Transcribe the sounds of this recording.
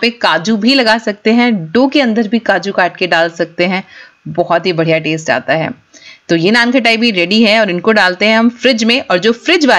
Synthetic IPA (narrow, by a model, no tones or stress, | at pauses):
pekaːd͡ʒubʱilɐɡaːsɐk̚t̪eɦɛ̃ɖoːkeɐ̃nd̪əɾbʱikaːd͡ʒukaːɾʈkeɖaːlsɐk̚t̪eɦɛ̃ | bɔɦɔt̪ɦibɐɽ̤ijaʈeːsʈa̰ːt̪aɦɛ̰ː | t̪oːjenaːnkʰɐʈ̬aːibʱiɾɛːɖiɦɛɔːɾɪnkoɖaːlt̪eɦɛ̃ɦɐmfɾɪd͡ʒmẽʔɔːɾd͡ʒoːfɾɪd͡ʒʋaː